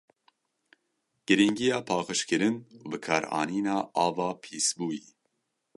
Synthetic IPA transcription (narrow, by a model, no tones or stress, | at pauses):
ɡ̥ɨɾiŋɡijɑːpʰɑːxɨʃkɨɾɨnubɨkʰɑːɾɑ̰ːniːnɑːɑːvɑːpʰiːsbuːjiː